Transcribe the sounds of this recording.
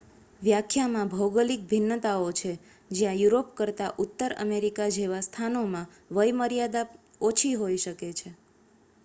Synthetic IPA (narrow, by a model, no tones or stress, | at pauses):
ʋjakʰjamãbʱəwɡəlik̚bʱɪnːət̪aot͡ʃʰe | d͡ʒjãjuɾopkəɾt̪aʔut̪ːəɾə̰meɾikad͡ʒeʋast̪ʰanomã | ʋəjməɾjad̪a | ot͡ʃʰiɦoiʃəket͡ʃʰe